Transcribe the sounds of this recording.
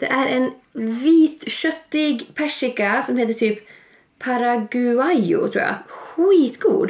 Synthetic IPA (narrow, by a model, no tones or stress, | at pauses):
d̪̥ɛ̰ʔæɾʔɛnviːt̪ʃœt̪ːɪɡpʰæʂɪkasɔmheːt̪̬əʈʰyːp | pʰːɑɾaɡʉajʊ̰t̪ʰɾṵːjɑ̰a̰xiːt̪ɡṵːd̪